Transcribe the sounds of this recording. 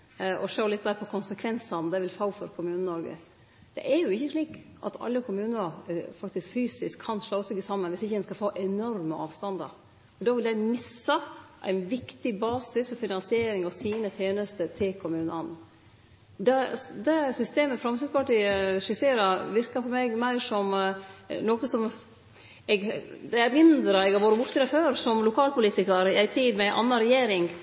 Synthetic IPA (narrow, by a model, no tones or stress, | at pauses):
ʔɔʂoːlɪt̪̚ːd̪æːɾpʰɔkʰʊnsəkʰʋɛnsɑnd̪ɛʋɪlfɑʊfɔɾkʰʊmʉːnənɔɾɡə̰ | d̪̥ɛ̰ʔɛɾjʊɪçːəʂliːkʔɑ̰t̪ʰɑ̰lːəkʰʊmʉːnəɑfɑkt̪ɪskfyːsɪskʰːɑnʂloːɔsɔçəsɑmːənʋɪsɪçːəɛnskɑfoːʔɛnɔɾməɑ̰ːʋst̪ɑnd̪ɑ̰ɾ | ɔd̪ɑːʋɪld̪æɪmɪsəʔæ̰ɪnʋɪkt̪ɪbɑːsɪsfɔɾfɪnɑnsɪeːɾɪŋɔsiːnət̪ʰjeːnəst̪ət̪ʰɪkʰʊmʉːnɑn | d̪ɛd̪ɛsʏst̪eːməfɾɑmsɪskɑʈiʂɪseːɾɑʋɪɾkɑfɔɾmɛɡmæɪʂɔm | noːkəsɔm | ɛɡd̪ɛmɪnd̪ɾəɛɡɑʋoːɾəbʊʈt̪ɾɛføːɾsɔmlʊkʰɑːlpʊliːt̪ɪkəɾɪæɪt̪ʰiːd̪mɛʔɑ̰nːɑɾɛjeːɾɪŋ